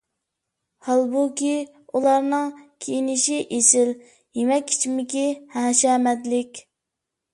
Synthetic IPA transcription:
hɑlˠbukʲi | ulˠɑɾnɨŋkʲʰejinɪʃiʔesɪl | jemɛkʲːʰi̥t͡ʃʰimɪkʲihæːʃɛmɛd̪ɪlɪkʲ

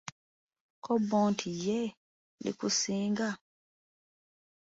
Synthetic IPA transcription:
kʰɔbɔːntʰijɛ | nḭkusiːŋɡa

